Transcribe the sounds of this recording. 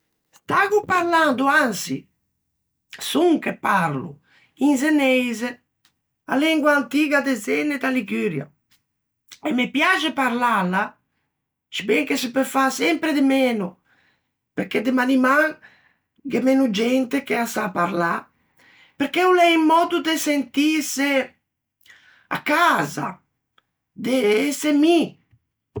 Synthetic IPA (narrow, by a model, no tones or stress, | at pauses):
st̪aɡupaɾland̪uansḭ | suŋkepːaɾlṵ | inz̬enɛjze | a̰lɛŋɡwaːnt̪iːɡad̪ezɛned̪aliɡyɾja̰ | ɛmːepjad͡ʒepaɾlala | t͡ʃi̥bɛŋkesɪpɛfasɛmpɾed̪emɛːnu | peɾked̪emanimaŋ | ɡemɛnud͡ʒɛnt̪ekeasaːpːaɾla | peɾkeulɛimːɔːd̪ud̪esent̪ise | a̰kːaːza̰ | d̪eɛsemi